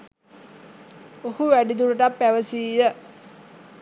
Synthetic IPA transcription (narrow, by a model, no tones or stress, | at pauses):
ohuʋæɖid̪uɾəʈapːæʋəsiːjə